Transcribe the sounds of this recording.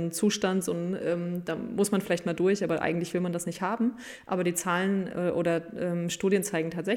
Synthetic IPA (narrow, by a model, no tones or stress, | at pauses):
nt͡suːʃtantz̥onʔɛːmd̥aːmʊsmanfɪlaɪçtmaːldʊɐçʔaːbɐʔa̰ɪɡŋ̩tlɪçv̥ɪlmandasnɪçthaːbm̩ | ʔaːbɐdiːt͡saːlənʔɛʔo̰ːɾɐʔɛːmʃtuːdjənt͡saɪɡŋ̩tʰaːtz̥ɛ